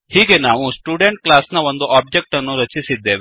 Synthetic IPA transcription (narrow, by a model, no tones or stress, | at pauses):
hiːɡe̞naːʋusʈjuːɖeɳʈ̚klaːsnɐo̞nd̪uʔaːb̚d͡ʒek̚ʈɐnːuɾɐt͡ʃisid̪ːe̞ːʋe